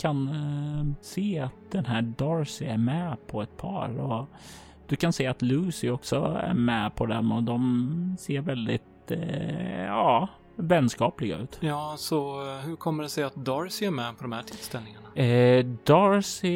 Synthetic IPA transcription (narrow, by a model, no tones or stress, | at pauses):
kʰan | seːat̪̚d̪ɛnɦæːɖɑːɾsɪæɾmɛpʰɔɛt̪̚pʰɑ̰ːɾɔ | d̪̥ɵkʰanseːat̪lʉːsɪɔksɔæ̰ɾmɛpʰɔd̪ɛnɔd̪ɔmseːɾvɛld̪ɪ̰t̪ | ɑː | vɛnskɑːplɪɡa̰ʉ̟̰ːt̪jɑːsɔhɵɾkʰɔmːəɖɛsɛjːat̪̚d̪ɑːɾsɪæɾmɛpʰɔd̪ɔmhæʈʰɪlst̪ɛlnɪŋaɳad̪ɑɾsɪ